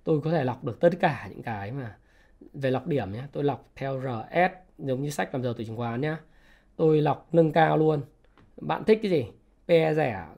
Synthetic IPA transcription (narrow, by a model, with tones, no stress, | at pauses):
t̪o˧jkɔ˨˦t̪ʰe˧˩la˨˩wk͡p̚ɗɨ˨˩ək̚t̪ə˦˥t̚kaː˧˩ɲɨ̰˧˥ŋkaː˨˦jmaː˨˩ | ve˨˩la˨˩wk͡p̚ɗi˧˩əmɲaː˧t̪o˧jla˨˩wk͡p̚t̪ʰɛ˧wzəː˨˩ʔɛ˦˥t̚ | zə˨˦wŋ͡mɲɨ˧sa˦˥k̚maː˨˩˨t̪o˧˩t͡ɕʰi˧˩ŋkwaː˨˦nɲaː˧ | t̪o˧jla˨˩wk͡p̚nə˧ŋkaː˧wlu˧ən | ɓa̰ː˧˨nt̪ʰï˦˥k̚kzi˨˩ | ɓɛ˧zɛ˧˩